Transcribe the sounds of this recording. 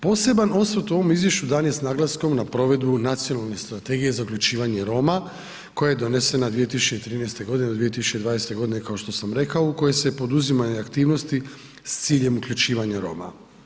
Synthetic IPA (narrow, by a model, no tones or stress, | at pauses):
po̞ːse̞bano̞st̪ɾot̪uo̞ʋo̞mizʋje̞ʃt͡ɕud̪aːnje̞snaɡlˠasko̞mnapɾo̞ʋe̞d̪bunat̪sijo̞nalˠne̞st̪ɾat̪e̞ɡije̞zaukʎʲut͡ʃiːʋaɲe̞ɾo̞ma | ko̞jajed̪o̞nese̞nad̪ʋije̞t̪isut͡ʃet̪ɾiːnɛjst̪e̞ɡo̞d̪inedod̪ʋije̞t̪̬isut͡ʃed̪ʋaːnest̪e̞ɡo̞d̪ine̞kaoʃt̪o̞samɾe̞kaouko̞jesepo̞d̪uzimaɲeakt̪iːʋno̞st̪i | st̪siːʎe̞mukʎʲut͡ʃiːʋaɲaɾo̞̰ːma̰